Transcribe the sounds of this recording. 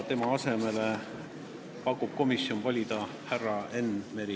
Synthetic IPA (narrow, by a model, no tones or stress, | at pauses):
t̪e̞mɑɑse̞me̞le | pɑkːˑub̥̚ko̞misjo̞nvɑlʲid̪ɑ | hærːɑe̞nmeɾi